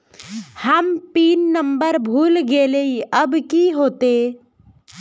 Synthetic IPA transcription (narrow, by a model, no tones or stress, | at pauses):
həmpiːnːəmbəɾbʱuːlɡeːleiəbkiɦoːt̪e